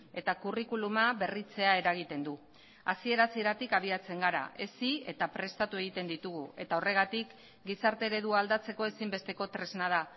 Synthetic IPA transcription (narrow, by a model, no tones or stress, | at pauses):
e̞t̪akurikulumaβe̞rit͡se̞ae̞ɾaɣ̞it̪e̞nd̪u | asie̞ɾasie̞ɾat̪ikaβ̞iat͡se̞ŋɡaɾa̰ʔe̞sie̞t̪apɾe̞st̪at̪ue̞ɣ̞it̪e̞nd̪it̪uɣ̞ue̞t̪ao̞re̞ɣ̞at̪ik | ɡisaɾt̪e̞ɾe̞ðuald̪at͡se̞ko̞e̞simbe̞st̪e̞ko̞t̪ɾe̞znað̞a